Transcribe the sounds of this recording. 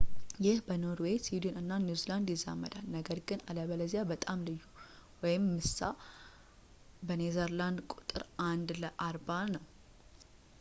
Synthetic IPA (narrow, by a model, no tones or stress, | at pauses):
jɪhbəno̞ɾwe̞sid̪onɨnːanizeland̪jɪzːa̰mːə̰d̪alnəɡəɾɡɨnaləβələzjabət̪ʼamlɨjːuwɔjɪmːɨsːa | bənezəɾland̪kʼut̪ʼɨɾʔand̪ləʔaɾbanəw